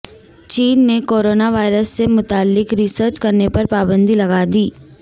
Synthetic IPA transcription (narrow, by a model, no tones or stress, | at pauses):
t͡ʃiːnːekoːɾoːnaʋaːɪɾəsːemʊt̪aːlːɪkɾisəɾt͡ʃkɐɾnepɐɾpaːbə̃nd̪ilɐɡaːd̪iː